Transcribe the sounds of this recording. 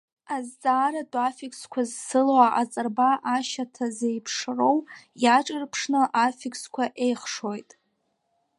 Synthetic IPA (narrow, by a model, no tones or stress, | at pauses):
azt͡sʼaːɾadʼafikskʷʰazsɨlwaʔat͡sʼɨrbaʔaʃatʰazejpʰʂro̞wjaʈ͡ʂʼɨrpʰʂnɨʔafikʼskʷʰaʔe̞jχʂo̞jtʼ